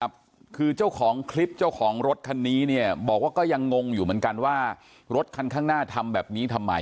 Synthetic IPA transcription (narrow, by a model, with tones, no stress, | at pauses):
p̚ | kʰɯː˧t͡ɕa˥˩wkʰɔː˩˦ŋkʰli˦˥p̚t͡ɕa˥˩wkʰɔː˩˦ŋɾo˦˥t̪̚kʰa˧nːiː˦˥ni˥˩ɐbɔː˨˩k̚waː˥˩kɔː˥˩ja˧ŋːo˧ŋjuː˨˩mɯ˩˦ənka˧nwaː˥˩ | ɾo˦˥t̪̚kʰa˧nkʰaː˥˩ŋnaː˥˩t̪ʰa˧mbɛː˨˩p̚niː˦˥t̪ʰa˧mːa̰˧